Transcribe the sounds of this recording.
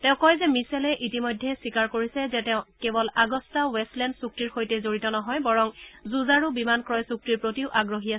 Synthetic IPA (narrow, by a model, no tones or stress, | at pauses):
tɛ̃ʊ̃kɔjzɛmisɛlɛʔitimojdʱːɛsikaɹkoɹisɛzɛtɛʊ̃kɛbɔlaɡɔstawɛstlɛndsuk̚tiɹxojtɛzoɹitɔnɔɦɔjbaɹɔŋzuzaɹubimankɹɔjsuk̚tiɹpɹotiʊʔaɡɹoɦias